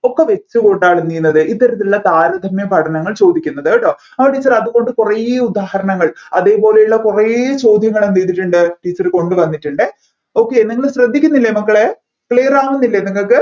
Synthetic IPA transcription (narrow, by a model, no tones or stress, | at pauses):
o̞kːeʋe̞t͡ɕːuko̞ɳɖaːɭnːiːjunːɐðɨʔit̪ːɐɾɐt̪̬ːillːɐt̪aːɾɐd̪ʱɐmjɐpɐʈʰɐnɐŋːɐɭt͡ɕo̞ːd̪ʱikʲːunːɐðʈːo | aːʈiːt͡ɕːɐrɐðuko̞ɳɖɨkurɐud̪aːhɐɾɐɳɐŋːɐɭɐ̰ðe̞ːpo̞ːlejuɭːɐkuret͡ɕo̞ːd̪ʱjɐŋːɐɭemt̪ejt̪iʈːuɳɖɨʈiːt͡ɕːɐrko̞ɳɖɨʋɐnːiʈːuɳɖɨ | o̞ːkːeniŋːɐɭɕrɐd̪ʱːikʲːunːilːɐmɐkːɐɭe̞ | kɭeːraːmunːilːɐeniŋːɐɭkːɨ